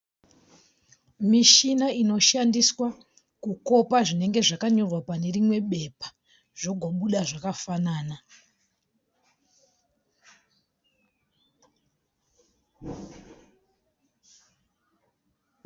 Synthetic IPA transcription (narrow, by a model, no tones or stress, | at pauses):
miʃinaino̞ʃandiswa | kuko̞paʐine̞ŋɡe̞ʐakaɲo̞rwapane̞rimwe̞ɓe̞pḁ | ʐ̥o̞ɡʱo̞ɓuɗaʐakafanaːna